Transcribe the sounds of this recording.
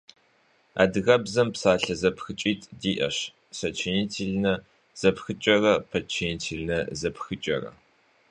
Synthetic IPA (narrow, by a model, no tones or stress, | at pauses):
a̰ːdɨɣɐbzɐmpsaːɬɐzɐpxɨt͡ʃʼiːtʰʼdiːʔɐ̰ɕ | sɐt͡ʃʰiniːtʰiːɮnɐ | z̥ɐpxɨt͡ʃʼɐrɐpʰɐt͡ʃʰɪniːtʰiːɮnɐzɐpxɨt͡ʃʼɐ̰rɐ̰